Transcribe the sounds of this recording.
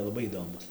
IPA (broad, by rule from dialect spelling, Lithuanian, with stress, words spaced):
lˠɐˈbɐɪ iːˈdoːmʊs